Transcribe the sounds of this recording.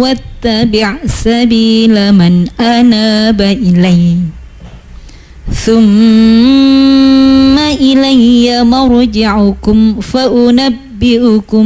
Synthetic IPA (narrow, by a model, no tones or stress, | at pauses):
wat̪ːabɪʕsabiːlamanʔanaːbaʔɪlaj | θʊm | aʔɪlajjamaɾd͡ʒɪʕʊkʊmfaʔʊnabːɪʔʊkʊ